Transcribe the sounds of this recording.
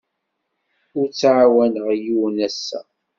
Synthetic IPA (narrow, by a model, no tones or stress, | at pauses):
ʊɾt͡sːʕawænəʁjuwnæsːæ̰